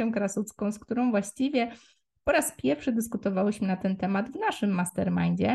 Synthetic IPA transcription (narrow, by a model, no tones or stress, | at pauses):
ɛ̃w̃kɾasut̪skɔ̃w̃skt̪uɾɔ̃w̃vwaɕt͡ɕivʲjɛ | pɔɾaspʲjɛɾfʂɘd̪ɘskut̪ɔvawɛɕmɘnat̪ɛnt̪ɛmad̪vnaʂɘmːast̪ɛɾmand͡ʑɛ